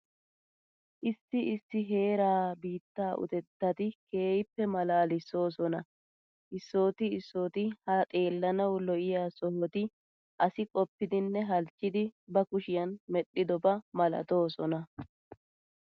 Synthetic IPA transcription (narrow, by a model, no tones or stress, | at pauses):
ʔɪsːɪɪsːɪɦe̞ːɾaːbiːt̪ːaːʔʊ̰t̪ɛt̪ːɐt̪ɪke̞ːjɪpːɛmɐlaːlɪso̞ːsɔnɐ | ʔɪsːo̞ːt̪ɪɪsːo̞ːt̪ɪhɐt̪ʼe̞ːlːɐnɐwlɔʔɪjaːsɔhɔt̪ɪ | ʔɐsɪkʼɔpːɪd̪ɪnːɛɦɐlt͡ʃʼːɪd̪ɪbɐkʊʃɪjɐnmɛɗːɪd̪ɔbɐmɐlɐ̰t̪o̞ːsɔnɐ